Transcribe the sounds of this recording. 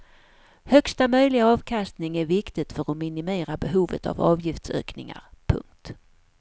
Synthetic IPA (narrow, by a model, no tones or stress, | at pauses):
hœkst̪amœjlɪɡaɑːvkʰast̪nɪŋæɾvɪkt̪ɪɡ̚t̪fœɾɔmɪnɪmeːɾabɛɦuːvə̰t̪a̰vɑ̰ːvjɪft̪sø̰ːknɪŋa̰ɾpʰɵ̰ŋk̚t̪